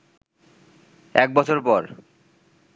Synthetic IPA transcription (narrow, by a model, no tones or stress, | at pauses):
ɛk̚bɔt͡ɕʰoɾpɔɾ